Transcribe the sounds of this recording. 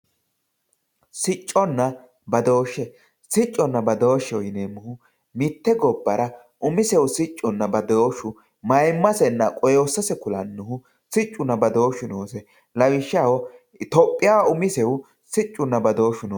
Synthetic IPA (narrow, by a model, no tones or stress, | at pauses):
sɪt͡ʃʼːɔnːɐ | bɐd̪o̞ːʃːɛ | sɪt͡ʃʼːɔnːɐbɐd̪o̞ːʃːɛwɔjneːmːʊhʊ | mɪt̪ːɛɡɔbːɐɾɐ | ʔʊmɪsɛwsɪt͡ʃʼːʊnːɐbɐd̪oːʃʊ | mɐjmːɐsɛnːɐkʼɔjoːsːɐsɛkʊlɐnːʊhʊ | sɪt͡ʃʼːʊnːɐbɐd̪o̞ːʃʊnoːsɛ | lɐwɪʃːɐwɔ | t̪ɔpʼːɪjaːʊmɪsɛwʊ | sɪt͡ʃʼːʊnːɐbɐd̪o̞ːʃʊnoː